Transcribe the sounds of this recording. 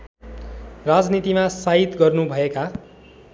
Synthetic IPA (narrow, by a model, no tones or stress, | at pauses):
rad͡znit̪imasaɦit̪ɡʌrnubʱʌeka